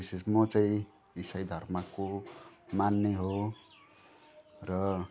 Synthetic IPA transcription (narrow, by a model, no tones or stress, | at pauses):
isesmot͡saĩ | isʌjd̪ʱʌrmakomanːeɦo | rʌ